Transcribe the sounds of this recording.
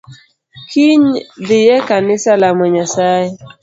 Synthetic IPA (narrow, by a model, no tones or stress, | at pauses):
kiɲdɪjɛkanɪsalamɔɲasajɛ